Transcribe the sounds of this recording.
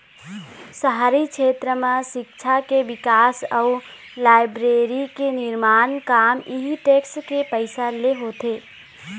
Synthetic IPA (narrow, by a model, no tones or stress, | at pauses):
səɦaɾikt͡ʃʰet̪ɾəmãsɪk̚t͡ʃʰakeʋɪkaːsəu | laːɪbɾeɾikenɪɾmaːnkaːmiɦiʈekskepəɪsaleɦot̪e